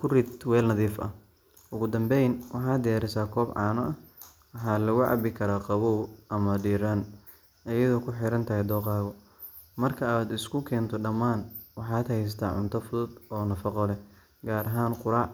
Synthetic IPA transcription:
kʰʊrit̪wɛːlnɐðiːfɐ̰ | ʔʊɣʊd̪ɐmbɛjnwɑħɑːd̪ɪjaːɾɪsaːkʰɔːbʕɑ̰ːnɔʔɐ | wɑħɑːlɐɣʊʕɑ̰bɪkʰɐɾaːqɑβuwʔɐmɐɖiːɾan | ʔɐjɐðɔːkʰʊħɪɾɐnt̪ʰɐɦɛjd̪ɔːqɑːɣɔ | mɐrkʰɐaːd̪ɪskʰʊkʰɛːnt̪ʰɔɖɐmːaːnwɑħɑːd̪hɛjst̪ʰa̰ːʕʊ̰nt̪ʰɐfʊðʊd̪ɔːnɐfɑqɔlɛ | ɡaːɾɐɦaːnqʊɾaːʕ

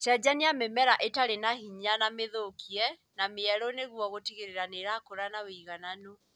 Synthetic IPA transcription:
tɛd͡ʑaniamemɛɾaʔetaɾenahiɲanameðokʰiɛ | nameɛɾɔneɣwɔɣotiɣeɾeɾaneɾakoɾanawiiɣanano

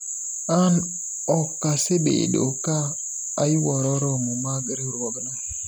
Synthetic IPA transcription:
an | ɔkːasebḛɗo̰kaː | iwɔɾɔɾɔmumaɡɾiɾɔɡna

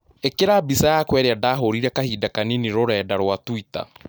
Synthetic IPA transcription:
ekeɾabisajakwɛːɾeadaːɦoɾiɾɛkahiːdakaniniɾoɾɛːdaɾwatwita̰

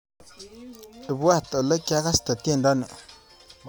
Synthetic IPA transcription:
əbwaht̪ələkaʁast̪ət̪eɳɖ͡ʐanə

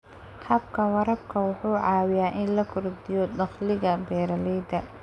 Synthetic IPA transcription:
hɐb̚kʰɐwɐɾɐb̚kʰɐwʊħuːʕɑːwɪjaːʔɪnlɐkʰʊrd̪ɪjɔdɑχlɪɣɐbɛːɾɐlɛːd̪ɐ

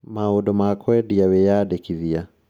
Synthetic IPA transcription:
maɔdɔmakʰɔɛdiawɛjadɛkiðia

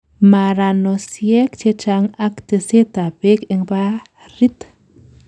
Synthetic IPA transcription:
maɾanosjɛkt͡ʃet͡ʃaŋakt̪eset̪abekeŋba | rit̪

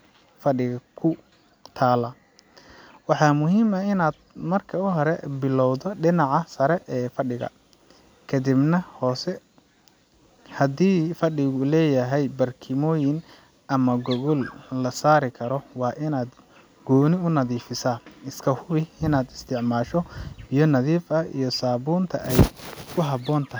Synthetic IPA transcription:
fɐɪɣɐkʰʊ | t̪ʰaːlɐ | wɑħɑːmʊɦiːmɐɪnaːd̪̚mɐrkʰɐʊɦɔɾɛbɪlɔwðɔɖɪnɑʕɑsɐɾɛʔɛːfɐɖɪɣɐ̰ | kʰɐd̪ibnɐhɔːsɛ | hɐd̪iːfɐɖɪɣʊlɛːjɐɦɛjbɐrkʰɪmɔːjɪn | ʔɐmɐɡɔɣɔllɐsaːɾɪkʰɐɾɔwɑːʔɪnaːd̪ | ɡɔːnɪʊnɐðiːfɪsaːɪskʰɐhʊβɪɪnaːd̪ɪst̪ʰɪʕmaːʃɔbɪjɔnɐðiːfɐḭjɔsaːβuːnt̪ʰɐ̰ʔɛjkʰʊɦɐbɔːnt̪ʰɐɦɪ

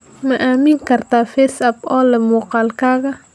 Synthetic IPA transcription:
maʔaminkaɾt̪afesabɔlemuqalkaɡa

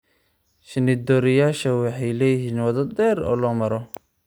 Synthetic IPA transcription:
ʃɪnɪd̪ɔːɾɪjaːʃɐwɑħɑjlɛːjɪɦiːnwɑðɐd̪ɛːɾɔ̰ːlɔːmɐɾɔ

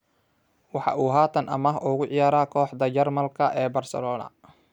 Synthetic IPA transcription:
wɑħɑ̰ʔuːɦaːt̪ʰɐnʔɐ̰mɐɦʔʊɣʊʕɪjaːɾaːkʰɔːħd̪ɐt͡ʃɛrmɐlkʰɐʔɛːbɐrsɐ̰lɔːnɐ̰

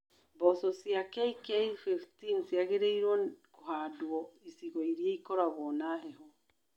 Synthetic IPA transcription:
bɔsɔsiakɛikɛfɛftinsiaɣeɾeiɾwɔkoɦadwɔisiɣiɾiaikɔɾaɣɔnaɦɛɦɔ

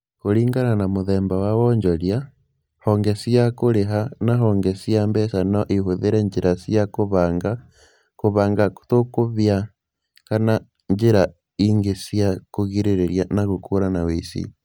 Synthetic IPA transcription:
koɾiːŋɡananamoðɛːmbawawɔɲd͡ʒɔɾja | hɔŋɡesiakoɾeɦanaɦɔŋɡɛsiambɛsanɔʔiɦuðeɾɛɲd͡ʒeɾasiakoβaːŋɡa | koβaːŋɡaktokoβja | kana | ɲd͡ʒeɾa | iŋɡesiakoɣiɾeɾeɾjanaɣokʰuɾanawesḭ

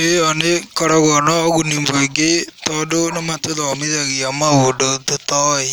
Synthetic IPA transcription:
eɔnekɔɾɔɣɔnɔːɣunimoeɡetɔdonɔmatoðɔmiðaɣiamawodototɔe

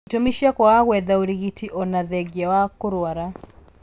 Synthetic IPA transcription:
tomiʃiakwawaɣwɛðauɾiɣitiʔɔnaðɛɡɛwakoɾwaɾa

